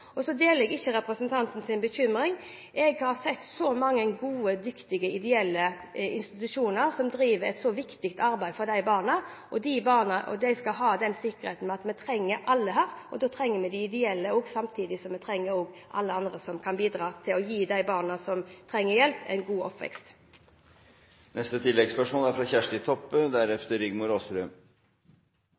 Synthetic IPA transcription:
ʔɔsɔd̪eːləɛɡɪçːəɾɛpɾəsənt̪ʰɑnt̪n̩sɪnbəçʏmɾɪŋ | ʔɛɡhɑɾsɛt̪ːsɔmɑŋːənɡuːəd̪ʏkt̪ɪɡəɪd̪ɛɛlːə | ɪ̰nst̪ɪt̪ʉʂuːnəʁsɔmd̪ɾiːʋəɾɛt̪sɔʋɪkt̪ɪkt̪ɑɾbæɪfɔɾd̪æɪbɑːʁnəʔɔd̪ibɑːʁnəʔɔ̰d̪æɪskɑlɦɑːd̪ɛnsɪkːəɾḛːt̪n̩mɛɑt̪mɛt̪ʰɾɛŋːəɾʔɑlːəɦæːɾʔɔd̪oːt̪ʰɾɛŋːəmɛd̪ɪɪd̪ɛɛlːəoːɡsɑmt̪ʰiːd̪ɪsɔmɛt̪ʰɾɛŋːəɾoːɡʔɑ̰lːəɑnd̪ʁəsɔmkʰɑnbiːd̪ɾɑːt̪ʰɪlɔjiːd̪æɪbɑːʁnɑsɔmt̪ʰɾɛŋːəɾjɛlpɛ̰ɪnɡuːɔpːʋɛ̰kst̪ | nɛst̪ət̪ʰɪlːɛɡspœʂmoːlæɾfɾɑçæʂʈɪt̪ʰɔpːəd̪æɾɛft̪əɾʏɡmʊɾoːsɾøː

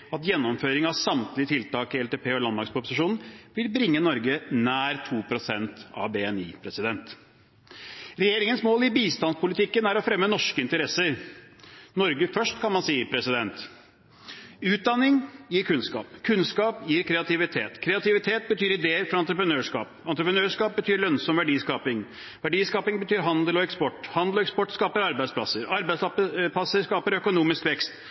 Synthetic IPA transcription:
ɑt̪jɛnːɔmføːɾɪŋɑʋsɑmt̪lɪət̪ʰɪlt̪ɑːkɪɛlt̪eːpʰeːɔlɑnd̪mɑɾkspʊpːʊsɪʂuːnn̩ʋɪlbɾɪŋːənɔɾɡənæːɾt̪ʰuːpʰɾʊsɛnt̪ɑ̰ʋbeɛniːpʰɾɛsɪd̪ɛnt̪ | ɾɛjeːɾɪŋənsmoːlɪbiːst̪ɑnspʊlɪt̪ʰɪkːənæɾɔfɾɛmːənɔʂkəɪnt̪əɾɛsəɾ | nɔɾɡəfœʂʈkʰɑnmɑnsiːəpʰɾɛsɪd̪ɛnt̪ | ʉːt̪̚d̪ɑnːɪŋjiːɾkʰʉnskɑ̰ːpkʰʉnskɑːpjiːɾkʰɾɛɑt̪ʰɪʋɪt̪ʰḛːt̪kʰɾɛɑt̪ɪʋɪt̪ʰeːt̪̚bət̪ʰyːɾɪd̪eːəɾfɾɑɑnt̪ɾəpɾənøːʂkɑ̰ːpɑnt̪ɾəpɾənøːʂkɑːp̚bət̪ʰyːɾlœnsɔmʋæɖiːskɑːpɪŋ | ʋæɖiːskɑːpɪŋbət̪ʰyːɾɦɑnd̪əlɔɛkspɔʈːhɑnd̪l̩ɔɛkspɔʈːskɑːpəɾɑɾbæɪspʰlɑsəɾɑɾbæɪslɑpəpɑsəɾskɑːpəɾœkʊnuːmɪskʋɛkst̪

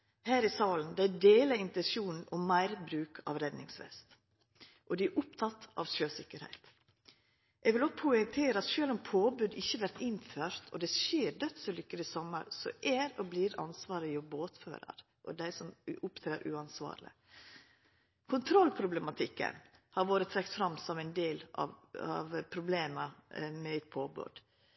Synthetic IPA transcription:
hæːɾɪsɑːln̩d̪ɛæɖeːləɪnt̪ɛnsuːnn̩ɔmæɪɾbɾʉːkʰɑ̰ʋɾɛd̪nɪŋsʋɛ̰st̪ | ʔɔd̪ɪʔʊp̚t̪ʰɑt̪ːɑ̰ʋʃøːsɪkːəɾhæ̰ɪt̪ | ʔɛɡʋɪlɔpʰʊɪŋt̪ʰeːɾəɑt̪ʃøːlɔmpʰoːbʉd̪ɪçːəʋæɾt̪ɪnføːɾt̪ʰɔ̰d̪ɛʃeːɾd̪œt̪səlʏkːəlɪsɔmːə̰ɾsɔ̰ʔæɾɔbliːɾɑ̰nsʋɑːɾəjʊboːt̪fø̰ːɾɑ̰ɾ | ʔɔ̰d̪æɪsɔmʊpt̪ʰɾeːɾʔʉ̰ɑnsʋɑ̰ːɾlɪ̰ | kʰʊnt̪ʰɾɔlːpʰɾʊblɛmɑt̪ʰɪkːə̰nhɑɾʋoːɾət̪ʰɾɛk̚t̪fɾɑmːsɔmæɪnd̪eːlɑ̰ɑʋpʰɾʊbleːməmɛɪt̪̚pʰoːbʉ̰d̪̥

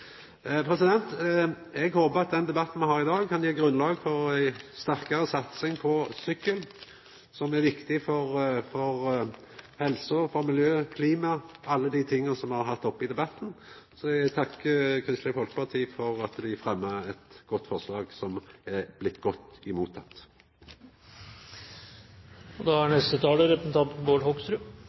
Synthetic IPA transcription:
pʰɾɛsɪd̪ɛnt̪ | ɛɡhoːbəɑt̪̚d̪ɛnd̪ɛbɑt̪ːn̩mɛhɑːɾɪd̪ɑːɡkʰɑnjiːɡɾʉnlɑːɡfɔɾæɪst̪æʁkɑɾəsɑt̪sɪŋpʰɔsʏkːəl | sɔmæɾʋɪkt̪ɪfɔɾfɔʁ | hɛlsʊfɔmɪljøːkʰliːmɑɑlːəd̪it̪ʰɪŋːənsɔmhɑɾɦɑt̪ːɔpːɪd̪ɛbɑt̪ːn̩ | sɔɛɡt̪ʰɑkːəkʰʁɪst̪əfɔlkə̥pʰɑʁʈ̪ʰiːfɔɾɑt̪d̪ɪfʁɛmːəɛt̪ɡ̥ɔt̪ːfɔslɑːɡsɔmɛblɪt̪ːɡɔt̪ːɪmuːt̪ʰːɑ̰t̪ː | ɔd̪ɑhæɳɛst̪ət̪ʰɑːləɾɛpənt̪ʰɑb̪boːlhɔkst̪ɾʉ

